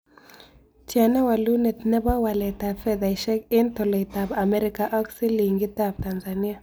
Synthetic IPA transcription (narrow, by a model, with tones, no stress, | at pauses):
t͡ʃja˨na˦wa˨lu˦nɛ˨tnɛ˦ba˦wa˨lɛ˨ta˨fɛ˦ða˨i˨ʃɛ˦ke˦ntɔ˨lɔ˨i˨ta˨ba˨mɛ˦ɾika˦ʔɔ˦ksi˦li˨ŋɡi˦ta˨b̚ta˨nza˨ni˦a˦˨